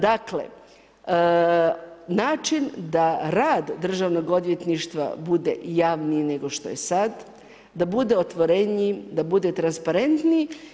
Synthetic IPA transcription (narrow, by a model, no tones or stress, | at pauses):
d̪akle̞̰ | naːt͡ʃind̪aɾaːd̪d̪r̩ʒaʋno̞ɡo̞d̪ʋje̞t̪niʃt̪ʋa̰bud̪e̞̰jaːʋnine̞ɡo̞ʃt̪oje̞sad̪ | d̪abud̪e̞ot̪ʋo̞ɾeɲid̪abud̪e̞t̪ɾanspaɾe̞nt̪ni